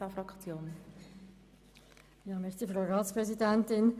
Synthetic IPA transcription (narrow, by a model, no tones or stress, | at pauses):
ɐfʁakt͡sjoːn | jɑːmɪçtəfʁoʊʁaːtspʁ̥ɛzidɛntɪn